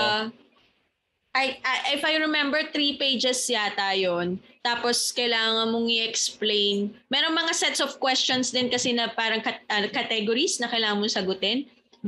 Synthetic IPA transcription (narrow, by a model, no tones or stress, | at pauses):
ʔɐjʔaʔɪfɐjɹɛmɛmbɛɹt̪ɾipejd͡ʒɛsjat̪ajont̪aːposkɐjlaːŋɐŋɐnmoŋɪʔɛksplejnmɛɾoŋmɐŋasɛt̪sɔfkwɛst͡ʃonsd̪ɪnkɐsɛnɐpaːɾɐŋkɐʔɐkɐt̪ɛɡoɾisnɐkɐjlaːŋɐnmosɐɡʊt̪ɛn